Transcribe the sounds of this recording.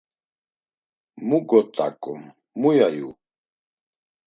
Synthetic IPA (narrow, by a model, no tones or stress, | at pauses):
muɡɔt̪ʼa̰kʼṵmː | ujajṵ